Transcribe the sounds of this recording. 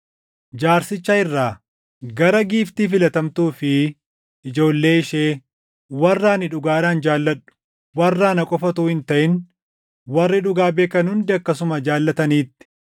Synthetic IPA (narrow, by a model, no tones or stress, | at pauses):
d͡ʒaːɾsɪt͡ʃːɐɪrːaː | ɡɐɾɐɡiːft̪iːfɪlɐt̪ɐmt̪uːfɪ | ʔɪd͡ʒo̞ːlːe̞ːɪʃeː | wɐrːaːnɪᶑʊɡaːɾaːnd͡ʒaːlːɐᶑʊ̥ | wɐrːaːnɐkʼɔfɐt̪uːhɪnt̪ɐʔɪn | wɐrːɪᶑʊɡaːbe̞ːkːɐnhʊnd̪ɪɐkːɐsʊmɐd͡ʒaːlːɐt̪ɐniːt̪ːɪ̥